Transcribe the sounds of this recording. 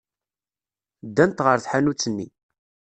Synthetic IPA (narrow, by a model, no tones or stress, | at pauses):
d̪ːænt̪ʁəɾθħanut͡sːənːḭ